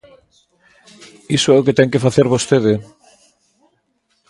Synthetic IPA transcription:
isʊɛʊket̪ɛŋkefaθeɾβost̪eðɪ

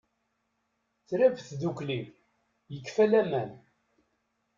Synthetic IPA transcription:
t͡sɾævθðuklið | jəkːfælæmæn

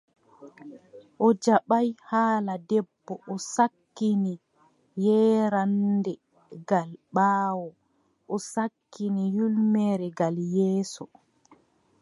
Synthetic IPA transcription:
ʔɔd͡ʒaɓajhaːladɛbːɔʔɔsakːini | jɛːɾandɛ | ɡalɓaːwɔ | ʔɔsakːinijulmɛɾɛɡaljɛːsɔ

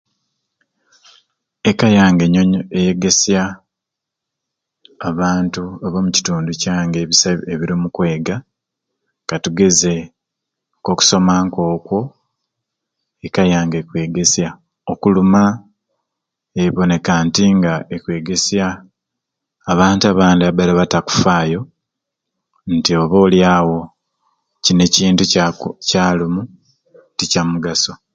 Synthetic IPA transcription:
ekajaːŋɡeɲoɲoeje̞ɡe̞sja | βaːntuaβomuci̥tuːnducaːŋɡeβisaeβiɾimukwe̞ːɡa | katuɡe̞ze̞ | koku̥so̞maːŋko̞ːkwo̞ | ekajaːŋɡekwe̞ːɡe̞sja | okuluma | eiβo̞ne̞kantiŋɡaekwe̞ːɡe̞sja | βaːntuaβaːndiaβalaβataku̥faːjo̞ | ntio̞βo̞ːljaːwo̞ | cine̞ciːntucaːlumu | ticamuɡaso̞

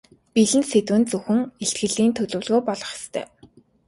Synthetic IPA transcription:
piɮɘ̆nset̪wɘ̆nt͡sɵxɘ̆ŋeɬt̪ɡɘ̆ɮiːnt̪ʰɵɮɵ̆ːwɮɣoːpɔɮɞ̥̆χst̪ʰœ̰ː

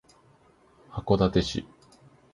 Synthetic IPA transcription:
hako̞d̪at̪e̞ɕḭ

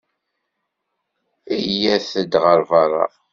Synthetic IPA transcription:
ijæθəd̪ʁəɾvɑɾˤɑ̰

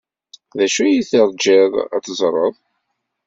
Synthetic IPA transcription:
ðæʃujiθɪɾˤd͡ʒɪðˤa̰θzˤɾˤəðˤ

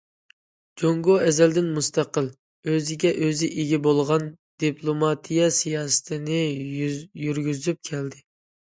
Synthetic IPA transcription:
d͡ʒoŋɡoɛzɛld̪ɪnmust̪ɑqəlˠ | øzɪɡʲɛʔøzɪʔeɡʲibolˠʁɑn | d̪̥ipʰlˠomɑt̪ʰijɑsijɑːsɨ̥t̪ʰɪnɪ | jyɾɡʲyzyp̚kʲʰɛld̪ɪ

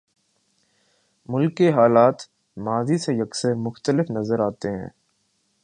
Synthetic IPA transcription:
mʊlkːeɦaːlaːt̪ | maːzisejɐksəɾmʊxt̪əlɪfnɐzəɾaːt̪eɦɛ̰̃ː

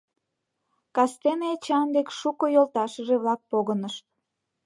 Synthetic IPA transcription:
kɑst̪enet͡ɕɑnd̪ekʃukojolt̪ɑʃəʒeβlɑk̚poɣənəʃt̪̚

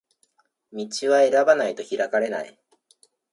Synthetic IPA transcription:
mʲit͡ɕiβae̞ɾabanait̪o̞çiɾakaɾe̞na̰ḭ

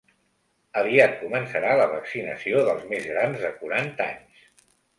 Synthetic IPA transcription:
əβiat̪̚kumənsəɾaləβəksinə̰sioðəlˠzmezɣɾanzðəkuɾant̪a̰ɲs

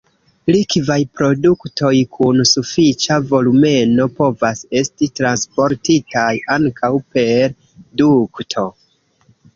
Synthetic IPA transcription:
likvajpɾo̞duktʰo̞jkʰunsufit͡ʃavo̞lume̞no̞po̞vase̞stitɾanspo̞ɾtitajʔaŋkʰawpe̞ɾ | duktʰo̞

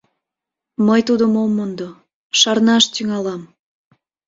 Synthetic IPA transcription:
məjt̪ud̪əmomond̪o | ʃɑrnɑʃt̪yŋɑlɑm

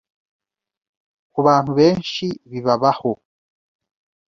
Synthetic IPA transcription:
kuβaːn̥huβe̞ːnʃiβiβaβaho

